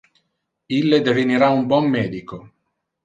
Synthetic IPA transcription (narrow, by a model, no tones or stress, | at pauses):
ilːed̪eviniɾaumbɔmːɛːd̪iko